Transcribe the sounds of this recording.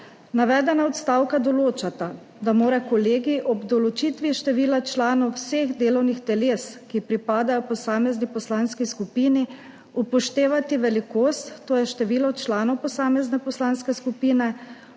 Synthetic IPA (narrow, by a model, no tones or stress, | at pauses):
naʋɛːd̪ɛnaɔt̪st̪aːwkad̪ɔloːt͡ʃat̪a | d̪amoːɾakɔleːɡiʔɔbd̪ɔlɔt͡ʃit̪ʋiʃt̪ɛʋiːlat͡ʃlaːnɔwseɣd̪eːlɔwnixt̪ɛleːskipɾipaːd̪ajɔpɔsaːmɛznipɔslaːnskiskupiːni | upɔʃt̪eːʋat̪iʋɛlikoːst̪ːoːjɛʃt̪ɛʋiːlɔt͡ʃlaːnɔwpɔsaːmɛznɛpɔslaːnskɛskupiːnɛ